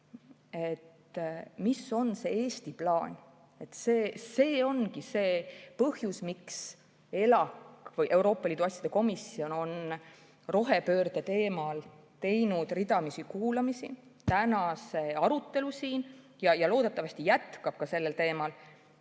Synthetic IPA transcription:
e̞t̪ː | misːo̞nse̞ːe̞ːst̪iplɑːnʲ | e̞t̪ːseːse̞ːo̞nkise̞ːpɤhjusmiks | e̞lɑkːvɤjʔe̞wɾo̞ːpːˑɑliːd̪̥uɑsjɑd̪eko̞misːio̞no̞n | ro̞ɦe̞pø̞ːrd̪̥et̪e̞ːmɑl | t̪e̞jnud̪̥rid̪ɑmisikuːlɑmisit̪ænɑse̞ɑɾut̪ːe̞lusiːn | jɑjɑlo̞ːd̪e̞t̪ːˑɑvɑst̪ijæt̪kɑb̥̚kɑse̞lːe̞lt̪e̞ːmɑl

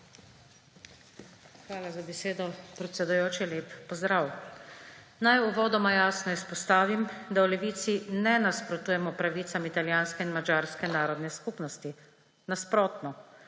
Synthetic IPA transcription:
xʋaːlazabɛseːd̪ɔpɾɛt̪sʲɛd̪ujoːt͡ʃileːpːɔzd̪ɾaw | najuʋɔːd̪ɔmajaːsnɔispɔst̪aːʋimd̪awlɛʋiːt̪sinɛnaspɾɔt̪uːjɛmɔpɾaʋiːt̪samit̪aljaːnskɛinmad͡ʒaːɾskɛnaːɾɔd̪nɛskupnɔst̪i | naspɾoːt̪nɔ

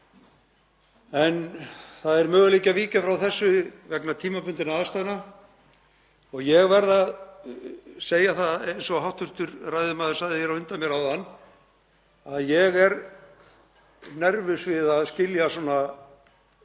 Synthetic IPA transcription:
ɛnθaðɛɾmœːɣʏliːcaviːcafɾawθɛsːʏvɛknat̪ʰiːmapʰʏnt̪ɪnaast̪ajna | ɔɣjɛɣvɛɾðað | seːjaθaejnsɔɦawht̪ʏr̥t̪ʏɾrajðʏmaðʏ̥sajðɪjɛɾawʏnt̪amjɛɾawðanː | aðjɛɣɛɾ | nɛɾvʏsvɪðaðscɪljasɔːna

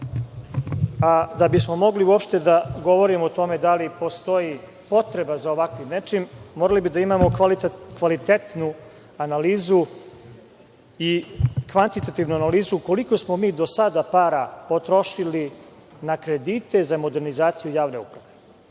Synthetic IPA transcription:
ad̪abismo̞mo̞ɡliuopʃt̪e̞d̪aɡo̞ʋo̞ɾimot̪o̞me̞d̪alipo̞st̪o̞ji | po̞t̪ɾe̞bazaoʋakʋinet͡ʂinmoɾalibid̪aimamokʋalit̪et̪nu | analiːzu | ikʋant̪it̪at̪iːʋnuanaliːzuko̞liko̞smo̞miːd̪o̞sad̪apaːɾapo̞t̪ɾo̞ʃili | nakɾe̞d̪it̪e̞zamo̞d̪e̞ɾnizaːt̪sijujaːʋne̞ṵpɾaʋe̞

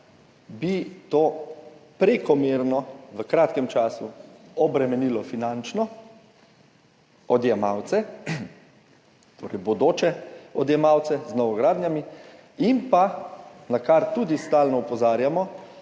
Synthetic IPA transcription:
bit̪oːpɾekɔmeːɾnɔʋəkɾaːt̪kɛmt͡ʃaːsuɔbɾɛmɛnilɔfinant͡ʃnɔ | ɔd̪jɛmawt̪sɛ | t̪ʰo̰ːɾɛjbɔd̪oːt͡ʃɛɔd̪jɛmaːwt̪sɛznɔʋɔɡɾaːd̪njami | impanakaɾt̪uːd̪ist̪aːlnɔupɔzaːɾjamɔ

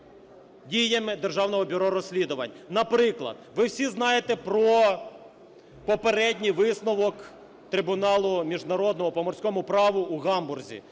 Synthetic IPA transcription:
dʲijɐmɪd̪erʒɑwnɔɦɔbʲʊɾɔɾɔsʲlʲid̪ʊʋɐ̰nʲnɐpɾɪklˠɐ̰d̪̥̚ʋɪwsʲiznɑjet̪ɛpɾɔ | pɔpeɾɛdʲnʲijʋɪsnɔʋɔk | t̪ɾɪbʊnɑlˠʊmʲiʒnɐɾɔd̪nɔɦɔpɔmɔrsʲkɔmʊpɾɑʋʊuɣɑmbʊrzʲḭ

